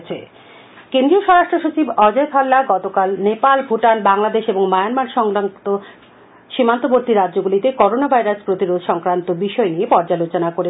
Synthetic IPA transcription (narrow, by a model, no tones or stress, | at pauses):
t͡ɕʰe | kend̪ɾioʃɔɾaʃʈɾoʃot͡ɕibɔd͡ʑekʰalːaɡɔt̪okalnepalbʱuʈanbaŋlad̪eʃeboŋmajanmanʃɔŋant̪o | ʃimant̪oboɾt̪iɾadd͡ʑoɡulit̪ekɔɾonabʱajɾaspɾot̪iɾod̪ʱʃɔŋkɾant̪obiʃɔeniepɔɾd͡ʑalot͡ɕonakoɾe